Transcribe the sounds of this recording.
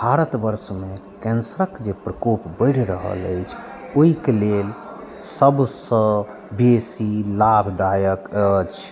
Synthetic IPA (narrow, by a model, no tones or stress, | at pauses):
bʱaɾət̪bəɾsmekɛnsəɾəkd͡ʒepɾəkopbəɪɽ̤ɾəɦə̰ləjt͡ʃʰ | oikelel | səbsə̃ | besilabʱd̪ajəkət͡ʃʰ